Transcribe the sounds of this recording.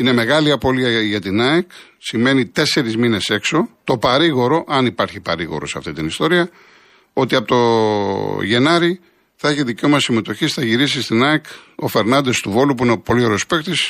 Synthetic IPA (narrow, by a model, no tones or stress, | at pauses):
ine̞me̞ɣɐliɐpo̞liɐʝɐt̪inɐeksime̞nit̪e̞se̞ɾizmine̞se̞kso̞t̪o̞pɐɾiɣo̞ɾo̞ʔɐnipɐɾçipɐ̰ɾiɣo̞̰ɾoseɐ̰ft̪it̪inist̪o̞ɾiɐ | o̞t̪iɐpot̪o | ʝe̞nɐɾi | θɐeçiðicomɐsime̞t̪o̞çisθɐʝiɾisist̪inɐeko̞fe̞ɾnɐnd̪e̞st̪uvo̞lupuinepo̞lioɾospe̞kt̪is